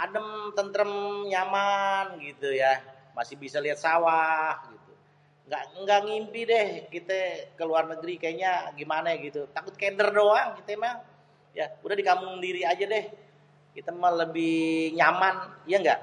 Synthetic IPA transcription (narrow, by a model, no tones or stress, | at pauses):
adəmt̪ənt̪əɾəmɲamanɡit̪uja | masɪhbisaliɦat̪̚sawahɡit̪u | ŋɡaʔŋɡaʔŋimpidɛhkit̪əkəluarnəɡɾikajaɲaɡimanaɡit̪ut̪akʊt̪̚kedərdoaŋkit̪əma | jaudahdikamʊŋndiɾiad͡ʒadɛh | kit̪əmaləbɪhɲamanijaŋɡa̰ʔ